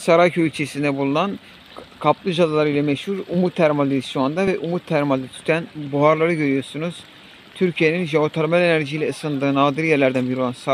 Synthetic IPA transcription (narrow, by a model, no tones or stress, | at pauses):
saɾajcʰøylʲt͡ʃʰesind̪ɛbulˠunan | kʰaplˠɯd͡ʒad̪alˠaɾɯjlʲˠɛmɛʃhuɾumut̪ʰːæɾmalʲd̪isond̪avɛʔumut̪ʰːæɾmalʲd̪ɯt̪ʰy̥t̪ʰænbuɦaɾlˠaɾɯɟø̞ɾyjo̞ɾsunuz̥ | t̪ʰyɾcʰije̞ninʒeot̪ʰaɾmælʲenæɾʒijlʲɛɯsɯnd̪ɯːnaːd̪iɾjæɾlʲæɾd̪ænbijɾoansa